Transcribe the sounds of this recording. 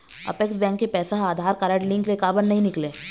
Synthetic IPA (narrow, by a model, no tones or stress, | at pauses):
ɐ̰peksbɛ̃ːŋkːepɛːsaɦaːd̪ʱaːɾkaːɾəʈlɪ̃ŋklekaːbəɾnɐɦĩnɪklẽː